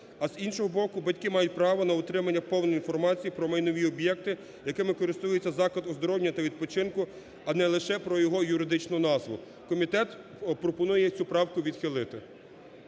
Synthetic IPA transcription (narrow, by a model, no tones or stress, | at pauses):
ɐzinʃɔɦɔbɔkʊbɐtʲkɪmɑjʊt̚ʲpɾɑʋɔnɐʊt̪ɾɪmɐnʲːɐpɔwnɔjinfɔrmɑt͡sʲijipɾɔmɐjnɔʋʲiɔbjɛk̚t̪ɪ | jɐkɪmɪkɔɾɪst̪ujʊt͡sʲːɐzɑklˠɐd̪ɔzd̪ɔɾɔwnʲɐt̪ɐʋʲid̪̚pɔt͡ʃɪnkʊ | ɐnɛlˠɪʃɛpɾɔjɔɦɔjʊɾɪd̪ɪt͡ʃnɔʊnɑzʋʊ | kɔmʲit̪ɛt̪ | pɾɔpɔnujɛt͡sʲupɾɑwkʊʋʲid̪xɪlˠɪt̪ɪ